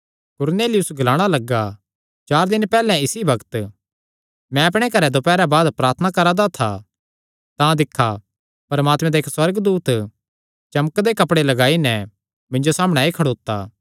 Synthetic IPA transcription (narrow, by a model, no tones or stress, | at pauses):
kʊɾneːlɪjʊsɡɐlaːɽ̃alɐɡa | t͡ʃaːɾd̪ɪnpɛːlɛ̃ɪsibɐkt̪ | mɛ̃ɐpɽ̃ekɐɾɛd̪opɛːɾabaːd̪pɾaːɾt̪ʰnakɐɾad̪at̪ʰa̰ | t̪ãd̪ɪkʰːa | pɐɾmaːt̪mɛ̃d̪aeːkswɐɾɡd̪uːt̪ | t͡ʃɐmkd̪ekɐpɽelɐɡaːinɛ | mɪ̃nd͡ʒosaːməɽ̃ɛ̃ekʰɐɽoːt̪ːaː